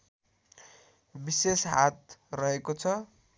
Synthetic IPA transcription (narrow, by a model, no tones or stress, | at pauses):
bisesɦat̪rʌɦekot͡sʰʌ